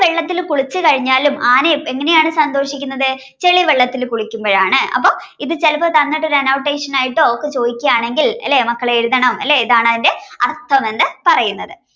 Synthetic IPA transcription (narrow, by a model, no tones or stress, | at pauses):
ʋeɭːɐt̪ːilkuɭit͡ɕːɨkɐɻiɲːaːlumʔaːnee̞ŋːɐne̞jaːɳɨsɐnd̪o̞ːʂikʲːunːɐðɨ | t͡ɕe̞ɭiʋeɭːɐt̪ːilkuɭikʲːumbo̞ːɻaːɳɨɐ̰pːo̞ː | iðɨt͡ɕelɐpːot̪ɐnːiʈːo̞ɾɐnɐwʈːe̞ːʂɐnaːjiʈːoːokːɨt͡ɕo̞ːðikʲːɐjaːɳe̞ŋɡilɐ̰lːemɐkːɐɭeeɾuðɐɳɐmɐ̰lːeiðaːɳɐðinde̞ɐrt̪ʰːɐɐmenːɨpɐrɐjunːɐðɨ